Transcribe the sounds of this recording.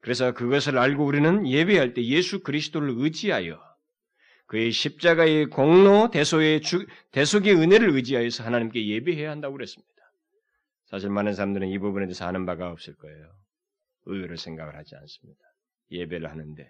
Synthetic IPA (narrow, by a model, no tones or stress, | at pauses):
kɯɾe̞sʰʌkɯɡʌsʰɯɾaɭɡouɾinɯnje̞biɦaɭt͈e̞je̞sʰukɯɾisʰɯ̥t͈ʰoɾɯɭɯd͡ʑiɦajʌ | kɯeɕʰip̚t͡ɕ͈aɡae̞koŋnote̞sʰoet͡ɕute̞sʰoɡe̞ɯne̞ɾɯɭɯd͡ʑiɦajʌsʰʌɦanaɲimk͈e̞je̞biɦejaɦandaɡoɯɾes͈ɯmɲid̥a | sʰaɕʰiɭmanɯns̬ʰaɾamdɯɾɯnibubune̞tesʰʌɦanɯnbaɡaʌp̚s͈ɯɭk͈ʌe̞jo | ɯjuɾɯɭsʰe̞ŋɡa̰ɡɯɭhad͡ʑia̰ns͈ɯ̥mɲid̥ḁ | je̞beɾɯɭhanɯnde̞